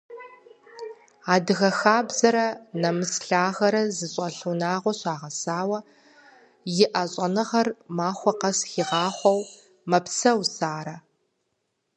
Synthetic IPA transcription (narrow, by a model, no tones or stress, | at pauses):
aːdɨɣɐxaːbzɐɾɐnɐmɨsɬaːɣɐɾɐzɨɕʼɐɬunaːʁʷɔɕaːʁɐsaːwɐ | jɪʔɐɕʼɐnɨʁɐrmaːχʷɔqɐsxiːʁɑːχʷɔw | mɐpsɐwsaːɾɐ